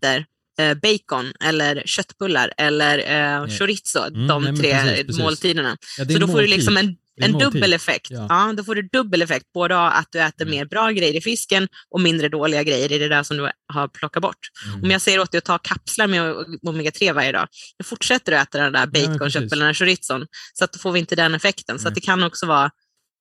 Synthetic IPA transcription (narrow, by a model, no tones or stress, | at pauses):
əɾ | bɛjkɔnɛlːəɾɕœt̪ːbɵlːa̰ɾɛlːəɾʂʊɾɪt̪sʊ̰d̪ɔmt̪ʰɾeːmoːlt̪ʰiːd̪əɳa̰sɔd̪ɔfoːɖɵlɪksɔmɛn | ɛnd̪ɵbːəlɛfɛ̰kt̪ɑːd̪ɔfoːɖɵd̪ɵbːəlɛfɛk̚t̪̚boːd̪əa̰t̪̚d̪ɵɛːt̪əɾmeːɾbɾɑːɡɾɛjːəɾɪfɪskənʔɔmɪnd̪ɾəd̪oːlɪɡaɡɾɛjːəɾɪd̪ɛd̪æʂɔmd̪ɵɦaɾpʰlɔkːat̪bɔ̰ʈːɔmjɑːɡsɛjːəɾoːt̪d̪ɛɪɔt̪ʰɑːkʰapslaɾmɛmomɛɡat̪ʰɾeːvaɾjəd̪ɑ̰ːjɑːɡfʊʈʂɛt̪ːəɾɔɛːt̪aɖɛnd̪æ̰ːɾbɛjt̪kʰɔnʃœpːɛlnaʂʊɾɪt̪sʊnsɔat̪̚d̪ɔfoːɾvɪɪnt̪əd̪ɛnɛfɛkt̪ənsɔat̪d̪ɛkʰanːɔksɔvɑː